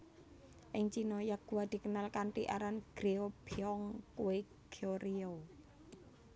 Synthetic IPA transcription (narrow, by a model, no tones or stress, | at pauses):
ʔɪŋt͡ʃinɔjaɡ̥uwad̪̥i̤kənalkaɳʈiʔa̰ɾanɡ̥ɾeob̥eɔŋkuwe | ɡ̥ʰoɾio